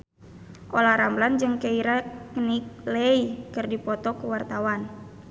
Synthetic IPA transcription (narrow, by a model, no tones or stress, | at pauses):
ʔolaɾambland͡ʒɨŋkeiɾaknik̚leikɨrdipɔt̪ɔkuwart̪awan